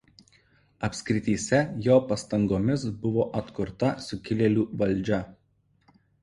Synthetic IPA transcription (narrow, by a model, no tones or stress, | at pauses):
ɐpʲsʲkʲɾʲɪt̪ʲiːsʲɛjoːpɐst̪ɐŋɡoːmʲɪsbʊʋoːʔɐt̪kʊɾt̪ɐsʊkʲɪlʲɛlʲuːʋɐlʲˑd͡ʒʲɛ